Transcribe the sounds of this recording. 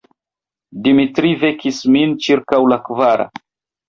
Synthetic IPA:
dimitɾivekismint͡ʃiɾkawlakvaɾa̰

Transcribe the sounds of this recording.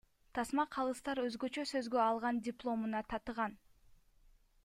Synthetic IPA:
t̪ʰɑsmɑqʰɑlˠɯst̪ɑɾø̞zɡø̞t͡ʃøsø̞zɡøɑlˠʁɑndʲɪplˠo̞munɑt̪ʰɑt̪ɨʁɑn

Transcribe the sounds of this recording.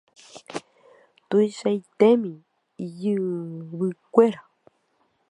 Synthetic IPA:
t̪uisait̪emĩ | jɨβɨkʷeɾa

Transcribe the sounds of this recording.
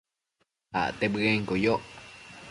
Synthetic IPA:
ha̰ʔt̪ebɨeŋkojoʔ

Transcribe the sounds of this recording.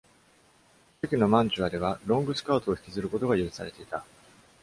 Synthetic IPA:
tɯkʲino̞mãɲ̟d͡ʑɨβad̪e̞β̞aɾõ̞ŋɡɯ̟sɨ̥kaːt̪oːçi̥kʲizɨɾɯ̟ko̞t̪o̞ɡajɯɾɯ̟saɾe̞t̪e̞it̪a

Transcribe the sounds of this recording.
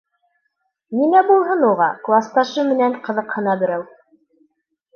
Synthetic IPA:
ninæbulˠɦɤnuʁɑklˠɑst̪ɑʃɤmɘ̆nænqɤ̆ðɤqhɤ̆nɑbɘ̆ɾæw

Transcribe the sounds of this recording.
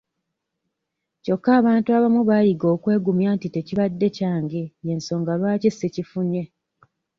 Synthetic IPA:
co̞kːaːβaːntuaβamuβajiɡo̞ːkwe̞ːɡumjaːntite̞ciβadːe̞caːŋɡeje̞nso̞ːŋɡalwaːcisːecifuɲe̞

